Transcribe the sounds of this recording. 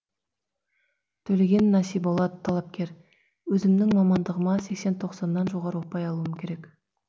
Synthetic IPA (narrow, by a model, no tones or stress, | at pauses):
t̪ʰɵle̞ɡʲe̞nːɑsijbo̞lˠɑd̪ət̪ʰːɑlˠɑp̚kʲe̞ɾ | wɵzɪmnɪŋmɑmɑnd̪əʁəmɑse̞kse̞nt̪ʰo̞qsɑnːɑnʒo̞ʁɑɾəwo̞pɑjɑlˠuəmkʲʰe̞ɾe̞k